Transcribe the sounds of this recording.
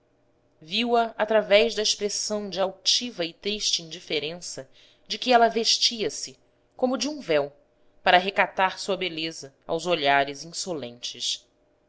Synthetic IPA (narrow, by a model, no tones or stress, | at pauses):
viwɐat̪ɾavɛjʒd̪ɐeʃpɾesɐ̃w̃d͡ʒɪawt͡ʃivɐɪt̪ɾiʃt͡ʃɪĩnd͡ʒifeɾẽsɐ | d͡ʒɪkɪɛlɐveʃt͡ʃiɐsɪ | kõmʊd͡ʒɪũvɛw | paɾɐaɦekat̪aɾsuɐbelezɐ | a̰wzoʎaɾɪzĩsolḛ̃nt͡ʃɪs